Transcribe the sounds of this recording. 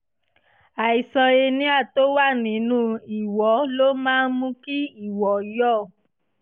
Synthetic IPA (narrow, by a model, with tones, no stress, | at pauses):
a˨i˨sɔ˧e˧nĩ˦a˦˨to˦wa˦˨nĩ˨˦nũ˦i˨wɔ˨˦lo˦mãː˦n˦mũ˧ki˦i˦˨wɔ˨jɔ˦˨